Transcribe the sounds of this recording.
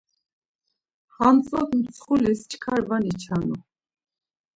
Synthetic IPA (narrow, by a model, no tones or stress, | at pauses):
hamt͡sʼɔkmt͡sʰχulist͡ʃʰʼkʰaɾvanit͡ʃʰanu